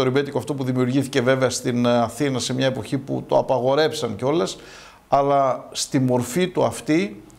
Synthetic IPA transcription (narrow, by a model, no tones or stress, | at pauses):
oɾibe̞t̪ikoɐft̪o̞puðimiuɾʝiθice̞ve̞veɐst̪inɐθinɐse̞mɲɐe̞po̞çipṵt̪o̞ɐpɐɣo̞ɾe̞psɐnceo̞le̞s | ɐlɐst̪imo̞ɾfit̪uɐft̪i